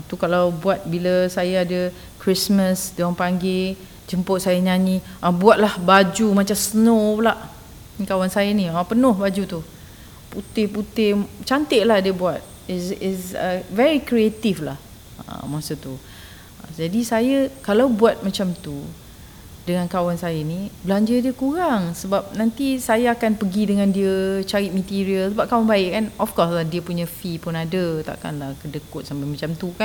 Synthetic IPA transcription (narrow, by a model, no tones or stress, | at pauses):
at̪ukalawbuat̪̚biləsajaadə | kɾisməsdaŋpaŋɡɪ | d͡ʒəmpʊʔ̚sajəɲaniʔabuat̪̚lahbad͡ʒumat͡ʃamsənolaʔ | kawansajəniapənʊhbad͡ʒut̪u | put̪ɪhput̪ɪht͡ʃant̪ɪʔlahdiəbuat̪̚ | isisəvɛɾikɾiet̪iflah | ə̰masət̪u | d͡ʒadisajakalawbuat̪̚mat͡ʃamt̪u | dəŋãnkawansajanibəlaɲd͡ʒədiəkuɾaŋsəbap̚nãnt̪isajaakanpəɡidəŋãndiət͡ʃaɾit̪̚mət̪iɾiəlsəbap̚kaʊnbaɪʔkːanɔfkɔslahdiəpuɲəfipʊnadət̪a̰ʔka̰nlahkədəkʊt̪̚sampamat͡ʃamt̪ukan